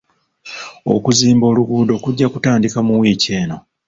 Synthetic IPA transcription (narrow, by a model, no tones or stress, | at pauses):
o̞̰kuziːmbo̞ːluɡuːdo̞kuɟːakutaːndikamuwiːce̞ːno̞